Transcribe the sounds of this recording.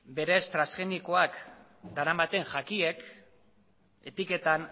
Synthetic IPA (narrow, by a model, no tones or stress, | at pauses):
be̞ɾe̞st̪ɾasxe̞niko̞ak | d̪aɾambat̪e̞ŋʝakie̞k | e̞t̪ike̞t̪an